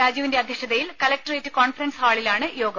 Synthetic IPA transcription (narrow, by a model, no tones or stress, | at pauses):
aːd͡ʑiːʋinde̞ɐd̪ʱjɐɕɐðɐjilkɐlɐk̚ʈɐreːtːɨkoːnfɐɾɐnshaːɭilaːɳɨjo̞ːɡɐ